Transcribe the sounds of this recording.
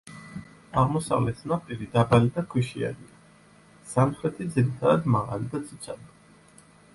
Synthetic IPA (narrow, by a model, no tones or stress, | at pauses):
aʁmɔsa̰vlɛt̪ʰnapʼiɾid̪abalid̪akʰwiʃia̰ɾia | samχɾɛt̪ʰid̪ziɾit̪ʰad̪ad̪maʁa̰lid̪at̪sʰi̥t̪sʰa̰d̪